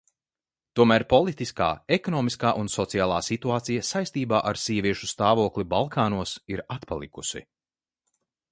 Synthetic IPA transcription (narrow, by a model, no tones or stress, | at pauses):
t̪uɔmæːɾpɔlˠit̪iska̰ːekɔnɔːmiskaːʔunsɔt̪sijaːlˠaːsit̪uaːt̪sijasajst̪iːbaːʔaɾsiɛviɛʃu̥st̪aːvuɔklˠibalˠkʰaːnuɔsiɾat̪pa̰lˠikusḭ